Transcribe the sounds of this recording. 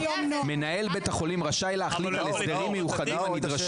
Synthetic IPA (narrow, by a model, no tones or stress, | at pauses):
me̞nae̞lbe̞t̪haχo̞limʁaʃajleaχlit̪alesd̪eʁimːejuχad̪ibanid̪ʁaʃ